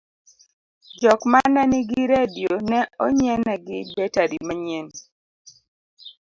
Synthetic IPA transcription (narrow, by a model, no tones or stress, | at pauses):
d͡ʒɔkmananɪɡiɾedijonɛɔɲɛnɛɡɪbɛtaɾimaɲɛn